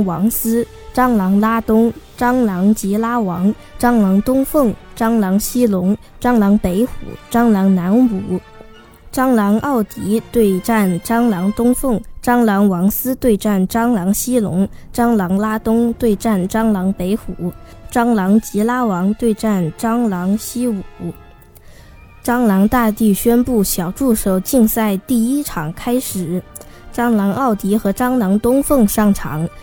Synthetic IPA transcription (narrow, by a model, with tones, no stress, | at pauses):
ŋwɑ˧˥ŋsɹ̩˥ | ʈ͡ʂɑ˥ŋlɑ˧˥ŋla˥t̪ʊ˥ŋʈ͡ʂɑ˥ŋlɑ˧˥ŋt͡ɕi˧˥la˥wɑ˧˥ŋ | ʈ͡ʂɑ˥ŋlɑ˧˥ŋt̪ʊ˥ŋfɤ˥˩ŋʈ͡ʂɑ˥ŋlɑ˧˥ŋɕi˥lʊ˧˥ŋ | ʈ͡ʂɑ˥ŋlɑ˧˥ŋpe˧˥ɪxṵ˨˩˦ʈ͡ʂɑ˥ŋlɑ˧˥ŋna˧˥nu˨˧˩ | ʈ͡ʂɑ˥ŋlɑ˧˥ŋɑ˥˩ʊt̪i˧˥t̪we˥˧ɪʈ͡ʂa˥˩nʈ͡ʂɑ˥ŋlɑ˧˥ŋt̪ʊ˥ŋfɤ˥˩ŋʈ͡ʂɑ˥ŋlɑ˧˥ŋwɑ˧˥ŋsɹ̩˥t̪we˥˧ɪʈ͡ʂa˥˩nʈ͡ʂɑ˥ŋlɑ˧˥ŋɕi˥lʊ̰˧˥ŋʈ͡ʂɑ˥ŋlɑ˧˥ŋla˥t̪ʊ˥ŋt̪we˥˧ɪʈ͡ʂa˥˩nʈ͡ʂɑ˥ŋlɑ˧˥ŋpe˧˥ɪxu˨˩˦ | ʈ͡ʂɑ˥ŋlɑ˧˥ŋt͡ɕi˧˥la˥wɑ˧˥ŋt̪we˥˧ɪʈ͡ʂa˥˩nʈ͡ʂɑ˥ŋlɑ˧˥ŋɕi˥u˨˩˦ | ʈ͡ʂɑ˥ŋlɑ˧˥ŋt̪a˥˧t̪i˥˩ɕɥɛ˥npu˥˩ɕjɑ˨˩ʊʈ͡ʂu˥˩ʂo˨˩ʊt͡ɕi˥˧ŋsa˥˧ɪt̪i˥˩i˥ʈ͡ʂʰɑ˨˩ŋkʰa˥ɪʂɻ̩˨˩˦ʈ͡ʂɑ˥ŋlɑ˧˥ŋɑ˥˩ʊt̪i˧˥xɤ˧˥ʈ͡ʂɑ˥ŋlɑ˧˥ŋt̪ʊ˥ŋfɤ˥˧ŋʂɑ˥˩ŋʈ͡ʂʰɑ̰˧˥ŋ